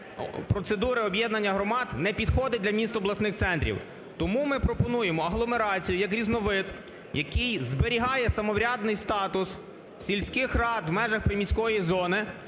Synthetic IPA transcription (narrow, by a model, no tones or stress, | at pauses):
pɾɔt̪sed̪uɾɪɔbjɛd̪nɐnʲːɐɦɾɔmɑd̪nɛpʲid̪xɔd̪ɪd̪lʲɐmʲist̪ɔblˠɐsnɪxt̪sɛnt̪ʲɾʲḭw | t̪ɔmumɪpɾɔpɔnujemɔɐɦlˠɔmeɾɑt͡sʲijʊjɐk̬ɾʲiznɔʋɪt̪ | jɐkɪjzbeɾʲiɦɑjɛsɐmɔwɾʲad̪nɪjst̪ɑt̪ʊs | sʲilʲsʲkɪxrɑd̪wmɛʒɐxpɾɪmʲisʲkɔjizɔnɪ